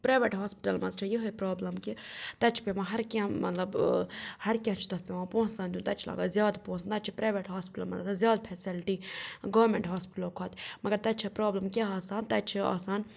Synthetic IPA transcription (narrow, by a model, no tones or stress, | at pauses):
pɾaːjʋeʈɦaːspi̥ʈɐlmɐzt͡ʃʰijiɦɐpɾaːblɐmkit̪ɐt͡ʃʰi̥pʲemãːɦɐɾkʲãmɐt̪lɐbhɐɾkʲjãːt͡ʃʰi̥t̪ɐt̪̚ʰpʲemãːpõːsãːnd̪ʲũnt̪ɐt͡ʃʰila̰ːɡazjaːd̪põːsnt̪ɐt͡ʃʰipɾaːʋeʈɦaːspiʈɐ̰lmɐ̰t̪ɐt̪ʰzjaːd̪̚pʰɛsilʈiːɡoːɾmeɳʈɦaːspɪ̥ʈlkʰɐːt̪ʰmɐɡɐɾt̪ɐt͡ʃʰipɾaːblɐmkʲeaːsaːnt̪ɐt͡ʃʰia̰ːsaːn